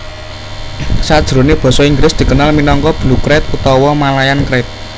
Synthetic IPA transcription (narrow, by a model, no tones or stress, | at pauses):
sad̥ʒ̥ɾo̤neb̥ɔ̤sɔiŋɡlɪsd̪̥i̤kənalminɔŋkɔb̥lukɾɛt̪̚ut̪ɔwɔmalajankɾɛt̪̚